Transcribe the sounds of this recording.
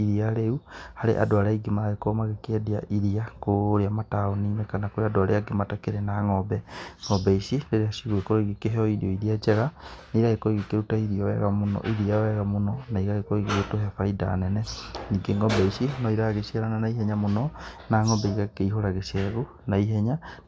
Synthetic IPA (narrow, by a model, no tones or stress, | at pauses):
iɾiaɾeuhaɾḛʔa̰doaɾaiɡimaɣekomaɣekɛdia̰ʔiɾiakoɾeamataoninɛkanakoɾeadoaɾeaɡematakeɾenaŋɔbɛŋɔbɛisideɾeasiɣwekoɾoiɣekeɦɛɔiɾiɔiðiat͡ʃɛɣaniiɾaɣekoiɣekeɾutaiðiɔwɛ̰ɣamonɔ̰ʔiðiawɛɣamonɔnaiɣaɣekoiɣeɣetoɦɛfaida̰nɛnɛniːɡeŋɡɔbɛisinɔiɾaɣesiaɾananaiɦɛɲamonɔnaːŋɔbɛiɣakeiɦoɾaɣeʃɛɣu | naiɦɛɲa